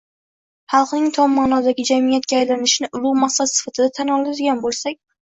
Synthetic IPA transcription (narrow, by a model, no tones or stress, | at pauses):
χɑlˠqnɪŋt̪ʰɒmːaːnɒd̪aɡʲɪd͡ʒamijat̪̚kʲaːjlanɪʃɪnɪʔʊɾʊmaχsad̪sɪ̥fat̪ʰɪd̪at̪ʰanɒlˠad̪ɪɡʲanbolˠsakʲ